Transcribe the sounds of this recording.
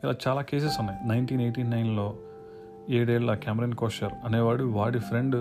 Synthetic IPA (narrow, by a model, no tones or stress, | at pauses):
ilaːt͡ʃaːlaːkeːs̬esunːajinɐjnʈiːnejʈiːnɐjnloː | eːɽeːɭɐkaːmeɾɐnkoːʂɐɾɐneːʋaːɽuʋaːɽifɾeɳɖ